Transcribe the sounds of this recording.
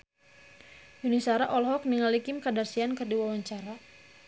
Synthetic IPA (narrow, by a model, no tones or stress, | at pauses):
junisaɾaʔɔlɦɔk̚niŋalikimkadarsiankɨrdiwawaɲt͡ʃaɾa